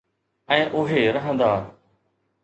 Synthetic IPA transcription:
ɛ̃ːʔʊɦeːɾɐɦə̃nd̪aː

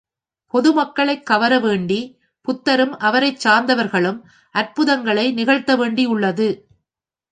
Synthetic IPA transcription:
pɔðɯmɐkːɐɭɐɪkːɐʋɐɾɐʋeːɳɖi | pʊt̪ːɐɾɯmɐʋɐɾɐɪt͡ʃːaːɾnd̪ɐʋɐɾɣɐɭɯm | ʔɐɾpɯðɐŋɡɐɭɐɪnɪɣɐɭt̪ːɐʋeːɳɖiʊɭːɐðɯ

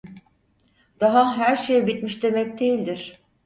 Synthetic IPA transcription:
d̪̥aɦaɦæɾʃejɛbit̪miʃd̪e̞mɛc̚d̪e̞jilʲd̪iɾ̥

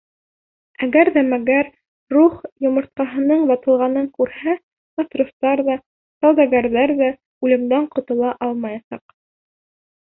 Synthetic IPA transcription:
æɡæɾðæmæɡæɾː | uχjŏmŏɾt̪̚qɑɦɤ̆nɤɴbɑt̪ɤ̆lˠʁɑnɤŋkʉɾhæ | bɑsruft̪ɑɾðɑ | sɑlˠd̪ɑɡæɾðæɾðæ | ʉlɘ̆md̪æɴqŏt̪ŏlˠɑʔɑlˠmɑjɑsɑq

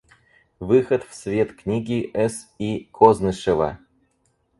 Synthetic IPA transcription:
vɨxɐt̪fsvʲet̪knʲiɡʲiʔɛsikʰoznɨʂɨvɐ̰

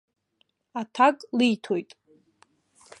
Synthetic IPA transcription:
atʰakʼlijtʰojtʼ

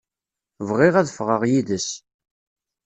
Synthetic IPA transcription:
vʁɪʁæðəfʁəʁjiðəs

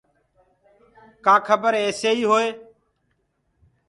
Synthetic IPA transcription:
kaːkʰəbəɾeːseːiːɦoːeː

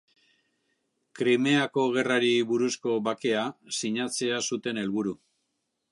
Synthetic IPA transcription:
kɾime̞ako̞ɣ̞e̞raɾiβuɾusko̞βake̞asiɲat͡se̞asut̪e̞ne̞lβuɾu

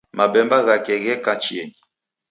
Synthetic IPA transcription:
mabɛmbaɣakɛɣɛkãt͡ʃiɛn

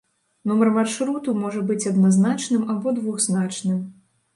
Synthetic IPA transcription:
numɐrmarʂɾut̪umɔʐɐbɨt͡sʲɐd̪naznat͡ʂnɨmabɔd̪vuɣznat͡ʂnɨm

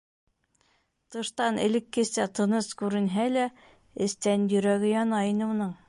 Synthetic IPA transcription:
t̪ɤ̆ʃt̪ɑnɘ̰̆lɘ̆kːɘ̆sæt̪ɤ̆nɤskʉɾɘ̆nɦælæ | ɘ̆st̪ænjɵ̆ɾæɡɘjɑnɑinɘ̆unɤɴ

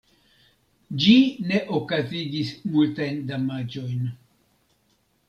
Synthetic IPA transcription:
d͡ʒine̞ʔokaziɡismultajndamad͡ʒo̞jn

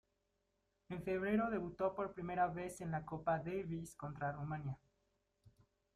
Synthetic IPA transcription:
e̞nfe̞β̞ɾe̞ɾo̞ðe̞βut̪o̞po̞ɾpɾime̞ɾaβe̞se̞nlako̞paðeβisko̞nt̪ɾarumãnja

